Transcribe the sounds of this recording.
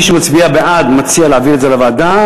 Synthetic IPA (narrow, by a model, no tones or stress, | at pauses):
ʃemat͡sbiabeʔad̪mat͡sialeaviletzelavaːd̪a